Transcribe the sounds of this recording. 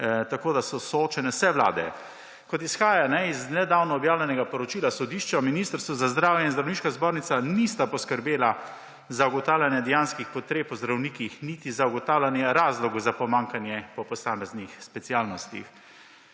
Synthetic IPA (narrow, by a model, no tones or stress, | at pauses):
t̪akoːd̪asɔsɔoːt͡ʃɛnɛsɛʋla̰ːd̪ɛ̰ | kɔt̪isxaːjanɛiznɛd̪aːwnɔːbjaːwlʲɛnɛɡapɔɾɔt͡ʃiːlasɔd̪iːʃt͡ʃaminiːst̪əɾst̪ʋɔzazd̪ɾaːwjɛinzd̪ɾawniːʃkazboːɾnit̪anist̪apɔskəɾbeːla | zauɡɔt̪aːwlʲjanjɛd̪ɛjaːnskixpɔt̪ɾeːpɔzd̪ɾawniːkixniːt̪izauɡɔt̪aːwlʲanjɛɾaːzlɔɡzapɔmãːŋkanjɛpɔpɔsaːmɛznixspɛt̪siaːlnɔst̪ḭx